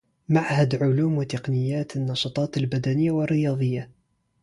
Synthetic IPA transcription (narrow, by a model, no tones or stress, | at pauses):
maʕhæd̪ʕʊluːmwɪt̪eqnɪjːæːt̪ənːɑʃɑt̪ˤɑːt̪əlbæd̪ænəjːawərːɪjɑðˤəjːa